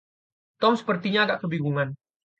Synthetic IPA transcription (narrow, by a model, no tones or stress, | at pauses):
t̪ɔmsə̥pərt̪iɲaːɡaʔkəbiɡuŋan